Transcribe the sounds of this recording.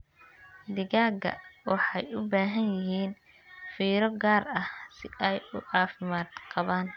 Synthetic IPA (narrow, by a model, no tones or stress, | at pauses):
d̪ɪɣaːɡɐ̰wɑ̰ħɑjʊbaːɦɐnjɪɦiːn | fiːɾɔɡaːrɐhsɪɛjʊɑːfɪmaːd̪qɑβaːn